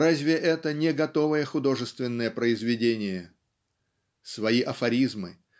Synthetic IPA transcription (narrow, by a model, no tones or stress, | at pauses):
ɾazʲvʲɪʔɛt̪ənʲɪɡɐt̪o̞vəjəxʊd̪o̞ʐɨst̪vʲɪnːəjəpɾəɪzvʲɪdʲenʲɪjə | svɐiʔɐfɐɾʲizmɨ